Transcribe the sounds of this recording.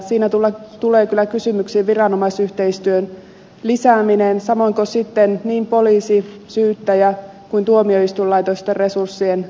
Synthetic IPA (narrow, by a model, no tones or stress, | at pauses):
siːnæt̪ulːɑt̪uleːkylːˑækysymyksiːʋʋirɑnomɑisyht̪eist̪yøn | lisæːminensɑmoiŋkosit̪ːenniːmpoliːsisyːt̪ːæjæ | kuint̪uomioist̪ullɑjt̪ost̪erre̞sursːien